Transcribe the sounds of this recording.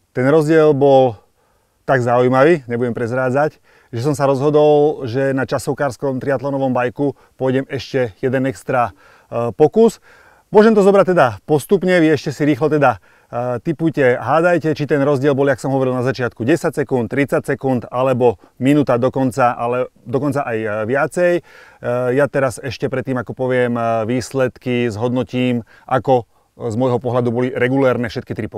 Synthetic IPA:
t̪ɛnɾɔzɟɪɛlbɔl | t̪aɡzaujmaʋiːɲɛbuɟɛmpɾɛzɾaːd͡zac | ʒɛs̬ɔmsaɾɔzɦɔd̪ɔlʒɛnat͡ʃasɔʊkaːɾskɔmt̪ɾiat̪lɔnɔʋɔmbajku | pʊɔjɟɛmɛʃcɛjɛd̪ɛnɛkst̪ɾa | pɔkus | mʊɔʒɛmt̪ɔzɔbɾac̚t̪ɛd̪apɔst̪upɲɛʋiɛʃcɛsiɾiːxlɔt̪ɛd̪a | t̪ipujcɛɦaːd̪ajcɛt͡ʃit̪ɛnɾɔzɟɪɛlbɔliaksɔmɦɔʋɔɾilnazat͡ʃɪat̪̚kuɟɛsacsɛkunt̪t̪ːɾit͡sacsɛkunt̪alɛbɔminut̪ad̪ɔkɔnt͡saʔalɛd̪ɔkɔnt͡saʔajʋɪat͡sɛj | jat̪ɛɾasɛʃcɛpɾɛt̪ːiːmakɔpɔʋɪɛmʋiːslɛt̪kizɦɔd̪nɔciːm | ʔakɔ | zmɔjɦɔpɔɦlad̪ubɔliɾɛɡulɛːɾnɛfʃɛt̪kit̪ɾipɔ

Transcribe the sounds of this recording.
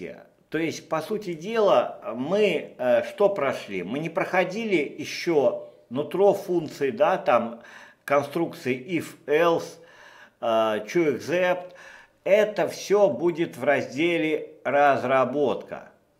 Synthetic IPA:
ə̰ | t̪o̞ɪsʲt̚ʲpɐsutʲɪdʲe̞lˠəmɨʂt̪o̞pɾɐʂlʲḭmɨnʲɪpɾəxɐdʲilʲɪjɪɕːo | nʊt̪ɾofunt̪sɨɪd̪at̪am | kɐnst̪ɾuk̚t̪sɨɪʔifɛlˠs | t͡ɕuɪɡzɛpt̪ | ɛt̪əfsʲobudʲɪt̪vɾɐzʲdʲelʲɪɾəzɾɐbo̞t̪kə̰

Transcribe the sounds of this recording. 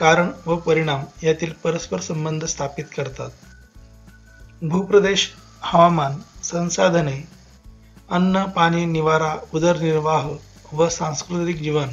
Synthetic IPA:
kaɾəɳʋəpəɾiɽ̃amjat̪iːlpəɾəspəɾsəmbənd̪ʱəst̪ʰapit̪kəɾt̪at̪̚ | bʱupɾəd̪eɕ | həʋamansə̃ñsad̪ʱəne | ənːəpaɽ̃iniʋaɾaud̪əɾniɾʋaɦ | ʋəsãŋ̃skɾut̪ik̚d͡ʑiʋən

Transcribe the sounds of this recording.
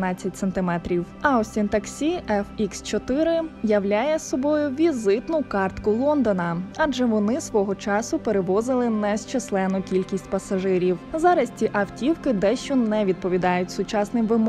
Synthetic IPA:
nɑt͡sʲːɐtʲsent̪ɪmɛt̪ɾʲiw | ɐɔsʲint̪ɐksʲiɛfikst͡ʃɔt̪ɪɾɪjɐwlʲajɛsɔbɔjʊʋʲizɪt̪nʊkɑrt̪kʊlˠɔnd̪ɔnɐɑd͡ʒɛʋɔnɪsʋɔɦɔt͡ʃɑsʊpeɾeʋɔzɪlˠɪnɛʃt͡ʃeslˠɛnʊkʲilʲkʲisʲtʲpɐsɐʒɪɾʲiwzɑɾɐsʲtʲiʔɐwtʲiwkɪd̪ɛʃt͡ʃɔnɛʋʲid̪̚pɔʋʲid̪ɑjʊtʲsʊt͡ʃɑsnɪmʋɪmɔ

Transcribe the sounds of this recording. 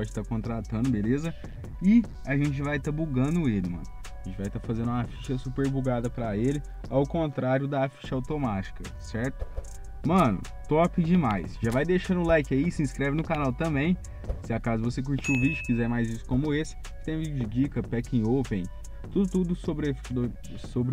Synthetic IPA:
pɔd͡ʒɪt̪akõnt̪ɾat̪ɐ̃nd̪ʊbelezɐ | ɪ | aʒẽnt͡ʃɪvajt̪abuɡɐ̃nd̪ʊelɪmɐ̰̃nʊaʒẽt͡ʃɪvajt̪afazẽnd̪ũafiʃɐsupeɾbuɡad̪ɐpɾɐelɪ | awkõnt̪ɾaɾjʊd̪ɐːfi̥ʃawt̪omat͡ʃi̥kɐ | sɛɾt̪ʊ̥ | mɐ̃nʊ̰ | t̪ɔapɪd͡ʒɪmajsʒavajd̪eʃaɾũlajkɪaisɪĩskɾɛvɪnʊkanawt̪ɐ̃mbẽj̃ | sɪakazʊvosek̬uɾt͡ʃiʊvid͡ʒʊkizɛɾmajzisʊ̥kõmʊesɪ̥ | ɪt̪ẽj̃vid͡ʒʊd͡ʒɪd͡ʒikɐpɛkẽopẽj̃ | t̪ud̪ʊt̪ud̪ʊsobɾefd̪ | sobɾ

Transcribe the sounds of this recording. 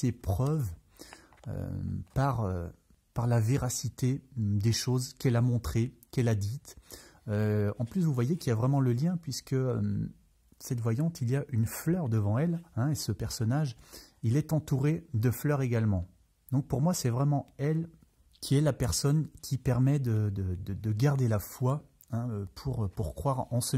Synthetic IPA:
sepχœv | ø̰paʁø̰ | paʁlaveʁasit̪ed̪eʃozkɛlamɔ̃t̪χekɛlad̪it̪øɑ̃plysvuvwajekʲiljavʁɛmɑ̃ləljɛ̃pɥiskəøm | sɛt̪vwajɑ̃t̪ilijaʔynflœʁd̪əvɑ̃ɛlɛ̃esəpɛʁsɔnaʒilɛt̪ɑ̃t̪uʁed̪əflœʁeɡalmɑ̃ | d̪ɔ̃k̚puʁmwasɛvʁɛmɑ̃ɛl | kʲʰiɛlapɛʁsɔnkʲʰipɛʁmɛd̪əd̪əd̪əd̪əɡaʁd̪elafwa | ɛ̃øpʰuʁøpuʁkχwaʁɑ̃sə

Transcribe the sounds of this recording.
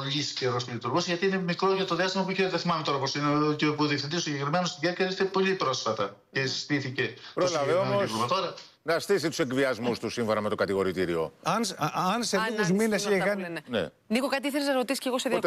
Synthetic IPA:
lisceɾosiðit̪uɾɣosʝɐt̪iinemikɾoʝɐt̪oðiɐst̪imɐp̬uiçet̪eθimɐmet̪o̞ɾɐposincepuðiefθind̪isosiɲɟekɾimenost̪iɟeceist̪epo̞lipɾo̞sfɐt̪ɐ | cest̪iθicepɾolɐveomo̞somɐt̪oɾɐ | nɐst̪is̬it̪u̥se̞kviɐzmust̪usiɱfo̞nɐmet̪o̞kɐt̪iɣo̞ɾit̪iɾio̞̰ɐnsɐnsenixuzminesekɐnnḛ | nixokɐt̪iiθeɾiznɐɾot̪isi̥sceɣoseð

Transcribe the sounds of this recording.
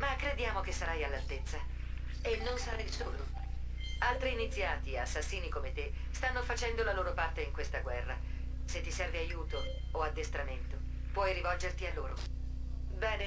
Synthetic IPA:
makːɾed̪jaːmok̟esːaɾajalːalt̪et̪sːa | enːonsaɾajsoːlo | alt̪ɾiːnit̪sːjaːt̪ieasːasːiːnikomet̪ːest̪anːofat͡ʃɛnd̪olaloːɾopart̪eiŋkwest̪aɡwɛrːa | set̪ːisɛrveajuːt̪oː | ad̪ːest̪ɾament̪o | pwɔjrivɔld͡ʒert̪ialːo̰ːɾo̰ | bɛːne

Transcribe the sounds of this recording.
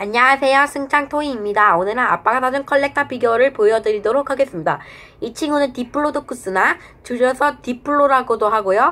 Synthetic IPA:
aɲaasʰe̞josʰɯŋt͡ɕʰaŋtʰoiːmɲidaonɯɾaap͈aɡadad͡ʑɯnkʰʌɭːe̞k̚tʰapiɡjoɾɯɭpojʌdɯɾidoɾokʰhaɡe̞s͈ɯmɲida | it͡ɕʰiŋunɯntipʰɯɭːodok͈us͈ɯna | t͡ɕuɾʌsʰʌtipʰuɭːoɾaɡodoɦaɡojo

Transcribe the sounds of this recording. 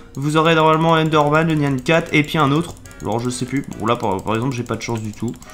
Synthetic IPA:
vuzɔʁenɔʁmalmɑ̃ɛ̃nd̪ɔʁmanlənjankʲat̪epɥiɛ̃not̪χ | a̰lɔ̰ʁʒəsɛplybɔ̰̃lapapaʁɛɡzɑ̃plʒepad̪əʃɑ̃sd̪yt̪ʰu

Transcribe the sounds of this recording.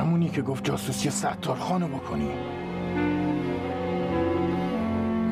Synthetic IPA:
æmuːniːkʰeɡoft̪̚d͡ʒɒːsusijesæt̪ʰːɒːɾxɒːnobokʰoni̥ː

